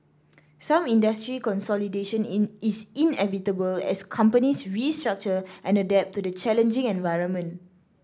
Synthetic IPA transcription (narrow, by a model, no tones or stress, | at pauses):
sãmĩndəstɹikɔ̃nsɔlideʃə̃nisĩnɛ̰vitəbəlɛ̰skʰãmpənisɹistɹak̚t͡ʃəʔɛ̃nədɛp̚tudət͡ʃɛlə̃nd͡ʒɪ̃ŋɛ̃nvaɪɹə̃nmə̃n